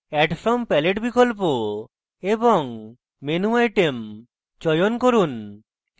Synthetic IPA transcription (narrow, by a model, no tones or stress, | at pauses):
ɛʈfʰɾɔmpɛleʈbikɔlp̬o | ebɔŋ | menuajʈem | t͡ʃɔjonkoɾun